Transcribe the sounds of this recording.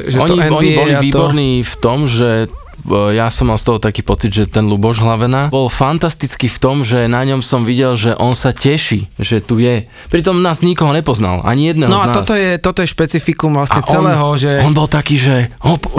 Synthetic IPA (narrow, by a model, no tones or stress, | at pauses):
ʒɔɲiɛɔibɔliʋiːbɔɾniːft̪ɔmʒɛ | jasɔmːalst̪ɔɦɔt̪akiːpɔt͡sid̪ʒɛt̪ɛnlubɔʒɦlaʋɛnabɔlfant̪ast̪it͡skift̪ɔmʒɛnaɲɔmsɔmʋiɟɛlʒɛʔɔnsacɛʃiʒɛt̪ujɛ | pɾit̪ɔmnaːzɲikɔɦɔɲɛpɔzna̰la̰ɲijɛd̪nɛːɦnɔanaɔst̪ɔjɛt̪ɔt̪ɔjɛʃpɛt͡sifikumʋlasɲɛt͡sɛlɛːɦɔʒɛɔnbɔlt̪akiːʒɛɔ